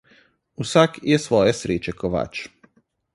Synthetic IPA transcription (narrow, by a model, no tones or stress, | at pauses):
usakjɛsʋoːjesɾeːt͡ʃɛkoʋa̰ːt͡ʃ